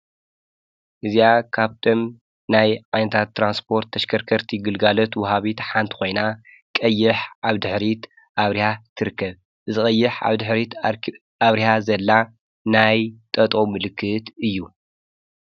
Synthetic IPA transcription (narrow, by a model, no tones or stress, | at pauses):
ʔɨzijakʰaβt̪ʰom | najʕajnɐt̪ʰat̪ʰːɾanspʰo̞ɾt̪ʰːɐʃkʰɐɾkʰɐɾt̪ʰiɡɨlɡalot̪wɔɦaβit̪ħant̪ʰi̥kʰo̞jna | kʼɐjːɨħʔaβd̪ɨħɾit̪ | ʔaβɾihat̪ʰɨɾɨkːɐβ | ʔɨzɨxʼɐjːɨħa̰βd̪ɨħɾit̪ | ʔaβɾihazɐlːa | najt̪ʼɐt̪ʼomɨlɨkːɨt̪ɨjːu